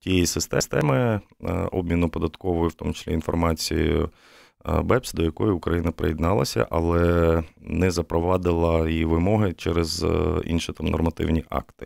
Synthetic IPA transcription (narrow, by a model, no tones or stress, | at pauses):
tʲijisɪst̪ɛst̪ɛmɪ | ɔb̚mʲinʊpɔd̪ɐt̪kɔʋɔjʊft̪ɔmʊt͡ʃɪ̥sʲlʲḭinfɔ̰rmɑt͡sʲḭjʊ̰ | bɛpsʲd̪ɔjɐkɔjʊʊkɾɐjinɐpɾḛjid̪nɑlˠɐ̰sʲɐ̰ʔɐlˠɛnɛzɐpɾɔʋɑd̪ɪlˠɐjiʋɪmɔɦɪt͡ʃɛɾezḭnʃit̪ɑmnɔ̰rmɐt̪ɪ̰wnʲiʔɑ̰kt̪ɪ̥